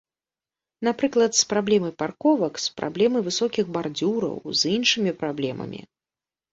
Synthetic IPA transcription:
napɾɨklˠɐt̪spɾablʲɛmɨparkɔvɐkspɾa̰blʲɛmɨvɨsɔkʲixbard͡zʲuɾɐ̰wzinʂɨmʲipɾablʲɛmɐ̰mʲḭ

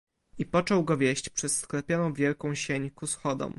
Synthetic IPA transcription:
ipɔt͡ʂɔwɡɔvʲjeɕt͡ɕpʂɛsːklɛpʲjɔnɔ̃w̃vʲjɛlkɔ̃w̃ɕeɲkusxɔd̪ɔ̰m

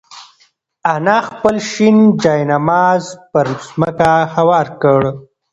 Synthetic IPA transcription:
anɑxpəlʃind͡ʒɑjnamɑzpəɾzməkahawɑɾkəɽ

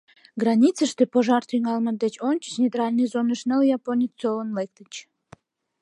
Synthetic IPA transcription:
ɡrɑnʲit͡səʃt̪epoʒɑrt̪yŋɑlməd̪et͡ɕonʲt͡ɕə̥t͡ɕnʲet̪rɑlʲnɨjzonəʃnəljɑponʲit͡solənlek̚t̪ət͡ɕ

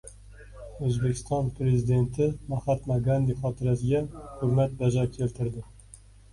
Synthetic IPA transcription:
ɵzbekʲʰɪ̥st̪ɑnpʰɾezid̪e̞nt̪ʰɪmaχɑt̪maɡand̪iχɒːt̪ʰɪɾæsɪɡʲahʊɾmæt̪̚bæd͡ʒɑɾkʲʰelt̪ʰɪɾd̪ɪ

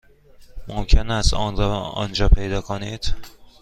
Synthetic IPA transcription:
momcʰe̞næst̪ɒnɒ̰nd͡ʒɒːpʰe̞jd̪ɒːkʰoniːd̪̥

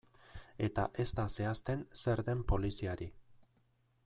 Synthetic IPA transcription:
e̞t̪aʔe̞st̪ase̞ast̪e̞nse̞ɾðe̞mpo̞lisiaɾi

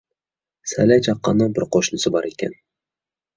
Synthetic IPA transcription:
sa̰lat͡ʃʰɑqːɑnɑbɪɾqʰoʃnɪsɪbɒɾʔekʲa̰n

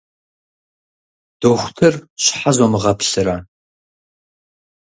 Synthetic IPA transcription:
d̥oxʷtʰɨrɕħazɔmɨʁɐpʰɬɨɾaː

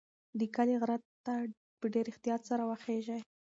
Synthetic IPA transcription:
d̪əkaleɣɾat̪ː | a | pəɖeɾɪxt̪ijɑt̪saɾawaxeʒaj

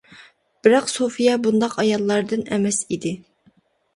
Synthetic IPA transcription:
b̥ɪɾɑqsofijɑbund̪ɑqɑjɑlˠːɑɾd̪ɨnɛmɛsid̪ɪ

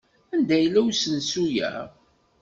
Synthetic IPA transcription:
ænd̪æjəlːæwsənsujæ̰

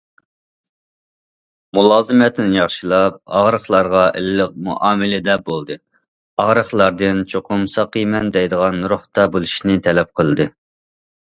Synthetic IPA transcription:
mulˠɑːzɨmɛt̪ʰɪnɪjɑχʃilˠɑp̚ɑ̰ʁɾəχlˠɑɾʁɑʔɪ̰lɪləq̚mṵʔɑːmɪlɪd̪ɛbolˠd̪ɨ | ɑʁɾəχlˠɑɾd̪ɨnt͡ʃʰoqʰʊmsɑqimɛnd̪ɛjd̪əʁɑnɾʊht̪ɑbolˠuʃinɪt̪ʰɛlɛp̚qʰəlˠɨd̪ɨ

